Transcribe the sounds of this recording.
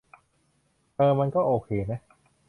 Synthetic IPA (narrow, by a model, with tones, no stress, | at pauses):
t̪ɤː˧ma˧nkɔː˥˩ʔoː˧kʰeː˧ma˦˥